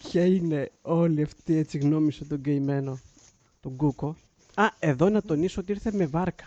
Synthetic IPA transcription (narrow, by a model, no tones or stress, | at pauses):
pçɐine̞o̞liɐft̪ie̞t͡siɣno̞misot̪oɡejme̞no̞ | t̪oɡuko̞ | ɐe̞ðo̞nɐt̪o̞nisoot̪iiɾθe̞me̞vɐɾkɐ̥